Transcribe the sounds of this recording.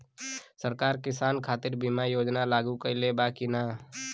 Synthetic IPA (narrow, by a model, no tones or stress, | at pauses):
səɾkaːɾkɪsaːnkʰaːt̪ɪɾbimajoːd͡ʒnalaːɡukelebaːkinaː